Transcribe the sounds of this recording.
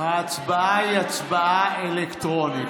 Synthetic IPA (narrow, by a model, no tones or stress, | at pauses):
haːt͡sbaaiat͡sbaaelekt̪ʁoni